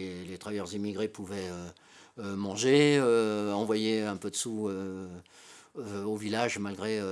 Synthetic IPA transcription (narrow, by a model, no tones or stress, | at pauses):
elet̪χavajœʁzimiɡʁepuvɛø | ømɑ̃ʒeøɑ̃vwajeɛ̃pød̪əsuø | øovilaʒmalɡʁeø